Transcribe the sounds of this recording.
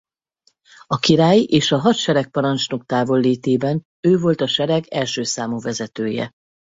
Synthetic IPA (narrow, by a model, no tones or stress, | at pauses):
ɒkiɾaːjiʔeːʃɒɦɒt̪ʃɛɾɛk̚pɒɾɒnt͡ʃnokt̪aːvo̞lːiːt̪eːbɛn | øːvo̞lt̪ɒʃɛɾɛɡɛlʃøːsaːmuvɛzɛt̪øːjɛ̰